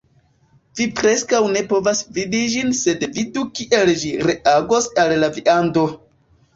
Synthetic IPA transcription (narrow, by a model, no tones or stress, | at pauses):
vipɾe̞skawne̞po̞vasvidid͡ʒinse̞dvidukiʔe̞ld͡ʒiɾe̞aɡo̞salːaviʔando̞